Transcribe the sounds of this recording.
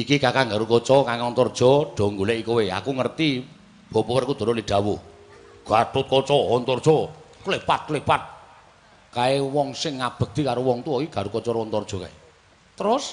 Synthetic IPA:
ikikakaŋɡaɾukɔt͡ʃɔkaŋɔnt̪ɔrd̥ʒ̥ɔ̤ɖ̥ɔ̤ŋɡuleʔikowea̰kuŋərt̪i | b̥o̤pɔwərkud̪̥ɔ̤ɾɔliɖ̥a̤wu | ɡ̥at̪ʊt̪̚kɔt͡ʃɔwɔnt̪ɔrd̥ʒ̥ɔkulepat̪̚kulepat̪̚ | kaewɔŋsɪŋːab̥ə̤k̚d̪̥i̤kaɾowɔŋt̪uɔkiɡ̥aɾukɔt͡ʃɔɾɔnt̪ɔrd̥ʒ̥ɔ̤ka̰e | t̪əɾʊs

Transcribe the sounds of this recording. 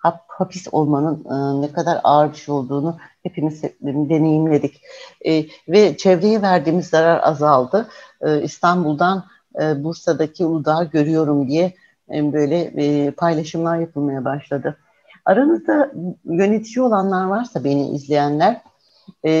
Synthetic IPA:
haphapʰiso̞lˠmanɯnːɛkʰad̪aɾaːɾd̪ɯʃo̞lˠd̪uːnuhe̞pʰimizd̪e̞ne̞jimlʲe̞d̪icː | vɛt͡ʃʰɛvɾe̞jɛvæɾd̪iːmizːaɾaɾa̰zalˠd̪ɯɯḭst̪ʰanbulˠd̪an | ɯbuɾsad̪acʰiud̪aːɟø̞ɾyjo̞ɾumd̪ijɛ | bø̞jlʲɛpʰajlˠaʃɯmlˠaɾjapʰɯlˠmajabaʃlˠad̪ɯ | aɾanɯzd̪ajø̞ne̞t̪ʰid͡ʒio̞lˠanlˠaɾvaɾsabe̞nḭʔḭzlʲe̞jænlʲæɾ̥

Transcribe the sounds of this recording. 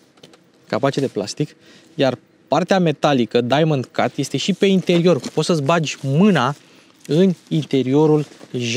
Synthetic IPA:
kapat͡ʃed̪e̞pla̰st̪ik | jar | part̪eame̞t̪alikəd̪ajmənd̪kart̪je̞st̪e̞ʃipe̞int̪e̞ɾio̞rpo̞t̪səsbad͡ʒʲmɨna | ɨnint̪e̞ɾio̞ɾulʒ

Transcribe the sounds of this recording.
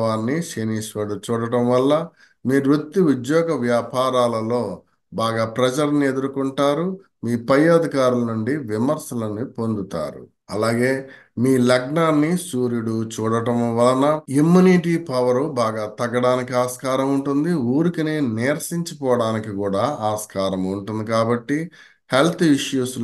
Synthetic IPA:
ʋaːnːiʃeniːʃʋɐɽut͡ʃuːɽɐʈɐmʋɐlːɐ | miːɾut̪ːiud̪jɔːɡɐʋjaːpaːɾaːlɐlo̞ː | baːɡaːpɾɐd͡ʒɐɾɐnie̞d̪uɾukuɳʈaːɾu | miːpɐjːɐɐd̪ʱikaːɾulɐnuɳɖiʋimɐɾsɐlɐnipo̞nd̪ut̪a̰ːɾṵ | ɐlaːɡe̞ː | miːlɐɡɳaːnːisuːɾjuɽut͡ʃuːɽɐʈɐmʋɐlɐnɐimːuniʈiːpɐʋɐɾubaːɡaːt̪ɐɡɐɽaːnikiaːskaːɾɐmuɳʈund̪iuːɾikineneːɾɐsiɲt͡ʃɐpɔːʋɐɽaːnikikuːɽaːaːskaːɾɐmuɳʈund̪ikaːbɐʈːi | he̞lt̪ʰiʂjuːs

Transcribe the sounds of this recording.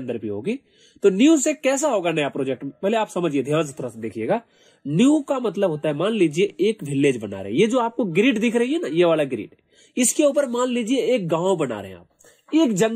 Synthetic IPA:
nd̪əɾbʱiɦo̰ːɡiː | t̪oːnjũsekɛːs̬aɦoːɡanɐjapɾoːd͡ʒɛk̚ʈbɛɦleaːpsɐməd͡ʒied̪ʱjãːns̬et̪oːɾased̪eːkʰijeːɡaː | njukamɐt̪̬ləbɦoːt̪aɦɛmaːnliːd͡ʒieeːkʋɪleːd͡ʒbɐna̰ːɾḛɦɛ̰̃jed͡ʒoːaːp̚koɡɾiːɖd̪ɪkʰɾɐɦiɦɛnajeʋaːlaɡɪɾḭːɖ | ɪskeuːp̬əɾmaːnliːd͡ʒieeːk̚ɡãːõbɐna̰ːɾḛɦɛ̰̃a̰ːp̚ | eːkd͡ʒɐ̃ŋ

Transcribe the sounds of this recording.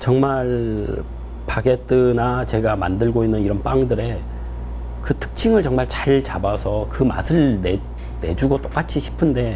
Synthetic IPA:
t͡ɕʌŋmaɭ | paɡe̞t͈ɯnat͡ɕe̞ɡama̰ndɯɭɡoinːɯniɾʌnp͈aŋdɯɾe̞ | kɯtʰɯ̥k̚t͡ɕʰiŋɯɭt͡ɕʌŋmaɭt͡ɕaɭt͡ɕabasʰʌkɯma̰sʰɯɭne | ne̞̰d͡ʑuɡot͈ok͈at͡ɕʰiɕʰi̥pʰɯnde̞

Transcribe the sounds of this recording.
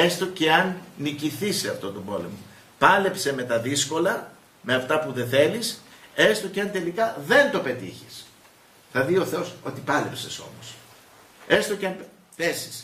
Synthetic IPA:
est̪o̞ce̞ɐnːiciθiseɐft̪o̞t̪o̞bo̞lemo | pɐle̞pse̞me̞t̪ɐðisko̞lɐ | me̞ɐft̪ɐpuðe̞θe̞lise̞st̪o̞ceɐnt̪e̞likɐðe̞nt̪ope̞t̪ḭçis | θɐðio̞θe̞o̞so̞t̪ipɐle̞pse̞so̞̰mos | e̞st̪oceɐnp | θesi̥s

